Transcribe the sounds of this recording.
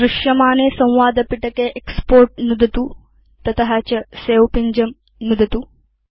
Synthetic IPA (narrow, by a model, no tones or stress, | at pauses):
ɾɪʂjɐmaːneːsɐ̃w̃ʋaːd̪ɐpiʈɐkeːʔekspoːɾʈ̚nud̪ɐt̪uː | t̪ɐt̪ɐɦɐt͡ʃɐseːwpiɲd͡ʒɐm | nud̪ʱɐt̪uː